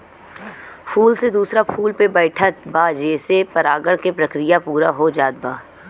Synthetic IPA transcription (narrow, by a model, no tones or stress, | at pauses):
pʰuːlsed̪uːsɾapʰuːlpebɛːɪʈʰət̪baːd͡ʒeːsepɐɾaːɡəɽkepɾɐkɾijapuːɾaɦod͡ʒaːd̪̚baː